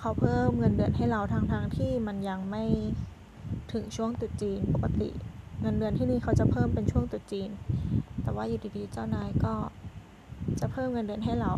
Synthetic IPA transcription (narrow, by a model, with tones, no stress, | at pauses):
kʰa˧˥wpʰɤː˥˩mŋɤ˧ndɯ˧˩ənɦa˥˩jɾa˧wt̪ʰaː˧ŋt̪ʰaː˧ŋt̪ʰiː˥˩ma˧nja˧ŋma˥˩j | t̪ʰɯ˨˩˦ŋt͡ɕʰu˥˩əŋt̪u˨˩t͡ɕiː˧npo˨˩kːa˧˦t̪ḭ˨˩ŋɤ˧ndɯ˧ənt̪ʰiː˥˩niː˥˩kʰa˦˥wt͡ɕa˨˩pʰɤː˥˩mpe˧nt͡ɕʰu˥˩əŋt̪u˨˩t͡ɕiː˧nt̪ɛː˨˩waː˥˩juː˨˧˩t̪iː˧t̪ʰiː˧˩t͡ɕa˥˩wnaː˧˩jkɔː˥˩ | t͡ɕa˨˩pʰɤː˥˩mŋɤ˧ndɯ˧ənɦa˥˩jɾa˧w